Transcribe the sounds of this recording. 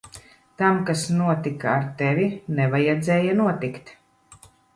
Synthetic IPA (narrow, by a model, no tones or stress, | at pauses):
t̪amkasnuɔt̪ikaːɾt̪ɛvʲinɛvajɛd̪zʲɛːjanuɔt̪ikt̪